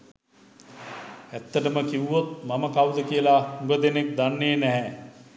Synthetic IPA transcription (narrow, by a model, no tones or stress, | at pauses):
æt̪ːəʈəməkiwːot̪maməkawd̪əkijəlauɡəd̪enek̚d̪anːenɛɦɛ